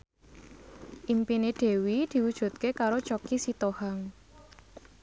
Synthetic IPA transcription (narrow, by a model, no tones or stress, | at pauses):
ʔimpined̥e̤wid̪̥i̤wud̥ʒ̥ṳt̪̚kekaɾot͡ʃɔkisit̪ohaŋ